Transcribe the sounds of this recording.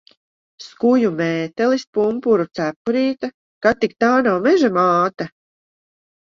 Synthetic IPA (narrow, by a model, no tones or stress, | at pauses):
skujumɛːt̪ɛlispumpuɾut̪sæpuɾiːt̪a | kat̪ːik̚t̪aːnawmɛʒamaːt̪a